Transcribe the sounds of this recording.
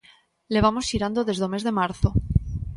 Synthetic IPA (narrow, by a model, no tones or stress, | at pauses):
le̞β̞amosiɾand̪oðe̞zðomezðe̞maɾθo